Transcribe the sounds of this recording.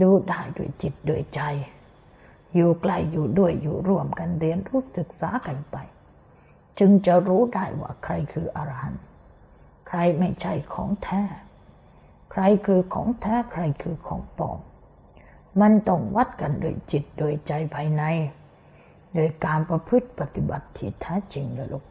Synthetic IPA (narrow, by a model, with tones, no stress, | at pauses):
duː˧daː˥˩jdu˥˩əjt͡ɕi˨˩t̪̚duː˧˩əjt͡ɕa˧j | jːuː˨˩kla˥˩jːuː˨˩du˥˩əjːuː˨˩ɾu˥˩əmka˧nɾi˧ənɾuː˦˥˩sɯ˨˩k̚saː˩˦ka˧npa˧j | t͡ɕɯ˧ŋt͡ɕa˨˩ɾuː˦˥daː˥˩jwa̰ː˥˩kʰɾa˧jkʰɯː˧ʔa˧ɾa˧ha̰˨˧˦n | kʰɾa˧jma˥˩jt͡ɕʰa˥˩jkʰɔ̰ː˩˦ŋt̪ʰɛː˦˧˥ | kʰɾa˧jkʰɯː˧kʰɔ̰ː˩˦ŋt̪ʰɛː˦˥kʰɾa˧jkʰɯː˧kʰɔ̰ː˩˦ŋpɔ̰ː˨˧˩ŋ | ma˧nt̪ɔ˥˩ŋwa˦˥˩t̪̚ka˧ndṵː˧˩əjt͡ɕi˨˩t̪̚doː˧jt͡ɕa˧jpʰaː˧jna˧j | doː˧˩jkaː˧npɾa˧pʰɯ˦˥˩t̪̚pa˨˩t̪i˧˩ba˨˩t̪ʰːiː˧˩t̪ʰːɛː˦˥t͡ɕi˧ŋla˧˩lo˧˩